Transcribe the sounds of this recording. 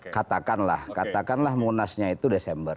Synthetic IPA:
kat̪akanla̰hkat̪akanlahmunasɲait̪udesɛmbər

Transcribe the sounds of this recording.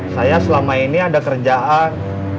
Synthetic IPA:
sajasəlamainiadakərd͡ʒaʔan

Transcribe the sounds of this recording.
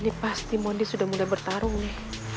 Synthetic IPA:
nipast̪imondisudahmulajbərt̪aɾʊŋnɪh

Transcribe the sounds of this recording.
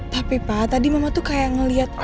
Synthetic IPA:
t̪apipat̪adimamat̪ukajaŋəliɦat̪̚

